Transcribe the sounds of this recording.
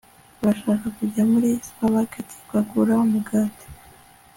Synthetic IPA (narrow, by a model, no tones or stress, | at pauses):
βaʃaːkakuɟamuɾispaβaketi̥kwaɡuɾaumuɡaːte̥